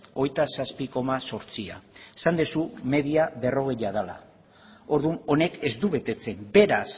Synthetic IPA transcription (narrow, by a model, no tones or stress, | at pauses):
o̞jt̪asaspiko̞maso̞ɾt͡sia̰sand̪esume̞ðiaβe̞ro̞ɣe̞jað̞ala̰ | o̞ɾðuno̞ne̞ke̞zd̪uβe̞t̪e̞t͡se̞mbe̞ɾas